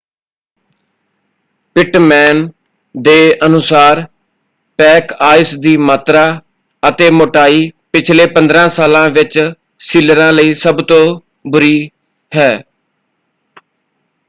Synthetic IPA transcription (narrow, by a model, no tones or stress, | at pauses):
pɪʈmɛːn | d̪eːənʊsaːɾ | pɛːkaːɪsd̪iːmaːt̪ɾaː | ət̪eːmoːʈaːiːpɪt͡ʃʰleːpənd̪ɾãːsaːlãːʋɪt͡ʃ | siːləɾãːləiːsəbt̪õː | bʊɾiː | hɛː